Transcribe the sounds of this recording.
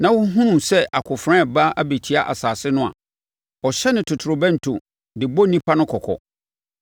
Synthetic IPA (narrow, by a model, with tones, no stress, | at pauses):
nã˨wʊ˦ɦũ˦nũ˨sɛ˦ʔa˨kʰʊ˨fɾã˦˨ba˦ʔa˦be˨t͡ɕʰi˦a˦ʔa̰˨saː˨sɪ˦nʊ̃˦a̰˨ | ɔ˨ɕɛ˦nɪ̃˨tʰʊ˨tʰʊ˨ɾʊ˨bɛ̃˦n̩˨tʰṵ˨ | dɪ˨bɔ˦nĩ˦pʰa˦nʊ̃˦kʰɔ˨kʰɔ̰˨